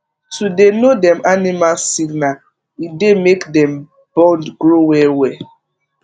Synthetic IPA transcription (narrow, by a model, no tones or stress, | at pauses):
tudenodɛ̃manimalsiɡna | idemekdɛ̃m | b̥ɔ̃ndɡɾowɛwɛ